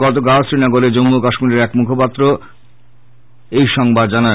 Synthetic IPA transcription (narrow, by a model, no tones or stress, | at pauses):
ɡɔt̪̬oɡaosɾinaɡoled͡ʑomːukaʃmiɾeɾɛkmukʰopat̪ːɾo | ejʃɔŋbad̪d͡ʑana